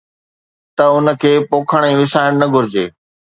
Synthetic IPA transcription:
t̪ɐʊnə̆kʰeːpoːkʰəɽ̃iʋɪsaːɪɽ̃nɐɡʱʊɾɪd͡ʑeː

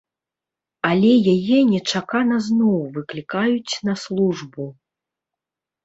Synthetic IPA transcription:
alʲɛjajɛnʲɛt͡ʂakanɐznɔwvɨklʲikajut͡sʲnɐslˠuʐbu

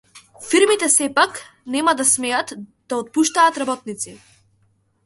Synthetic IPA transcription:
fiɾmit̪ɛsɛpak | nɛmad̪asmɛat̪d̪aɔt̪̚puʃt̪aːt̪ɾabɔt̪̚nit̪si

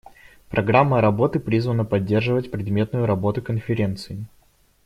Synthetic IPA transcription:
pɾʔɐɡɾamːəɾɐbo̞t̪ɨpɾʲizvənəpɐdʲːe̞rʐɨvətʲpɾʲɪd̪mʲe̞t̪nʊjʊɾɐbo̞t̪ʊkənfʲɪɾʲe̞nt̪sɨɪ

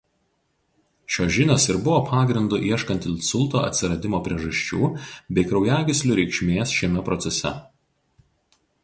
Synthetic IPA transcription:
ʃʲoːʒʲɪnʲoːsɪɾbʊʋoːpʰɑːɡɾʲɪnd̪ʊʔiɛʃkɐnʲt̪ʲɪlʲsʊlˠˑt̪o̰ːɐ̰t̪ʲsʲɪɾɐd̪ʲɪmoːpʲɾʲiɛʒɐʃʲt͡ʃʲuːbʲɛɪkɾɒʊjæːɡʲɪsʲlʲʊɾʲɛɪkʃʲmʲeːsʃʲɛmʲɛpɾɔt̪sʲɛsʲɛ̰

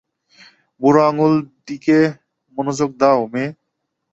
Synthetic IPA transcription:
buɾaŋuld̪ike | monod͡ʑok̚d̪aome

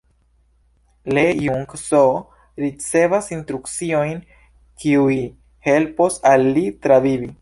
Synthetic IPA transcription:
lejuŋkso | ɾit͡se̞vasinstɾukt͡sio̞jn | kʰiuj | he̞lposalːitɾavivi

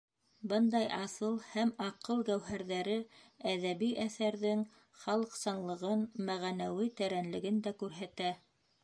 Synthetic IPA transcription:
bɤnd̪ɑjʔɑsɤlˠhæmɑqɤlˠɡæwɦæɾðæɾɘæðæβiʔæθæɾðɘŋ | χɑlˠɤ̆qsɑnlˠɤ̆ʁɤnmæʁænæwit̪æɾænlɘ̆ɡɘnd̪ækʉɾɦæt̪æ

